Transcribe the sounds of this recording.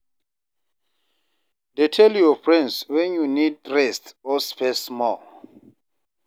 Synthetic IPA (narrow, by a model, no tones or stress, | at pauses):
detʰɛljɔfɹɛ̃ndswɛ̃njunid̚ɹɛstɔspʰɛsmɔ